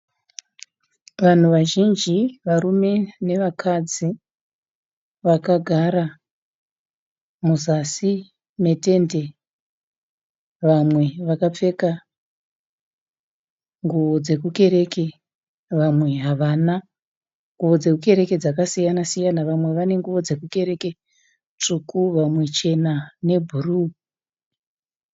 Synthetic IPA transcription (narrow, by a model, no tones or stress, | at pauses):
ʋan̤uʋaʒind͡ʒiʋaɾume̞ne̞ʋakʰad͡zi | ʋakaɡʱaɾa | muzasi | me̞te̞nde̞ | ʋamwe̞ʋakap͡fe̞ka | ŋɡuʋo̞d͡ze̞k̬uke̞ɾe̞ke̞ | ʋamwe̞ɦaʋana | ŋɡuʋo̞d͡ze̞kuke̞ɾe̞ke̞d͡zakasijanasijanaʋamwe̞ʋane̞ŋɡuʋo̞d͡ze̞kuke̞ɾe̞ke | t͡ʂukʰuʋamwe̞t͡ʃe̞nane̞bʱuruː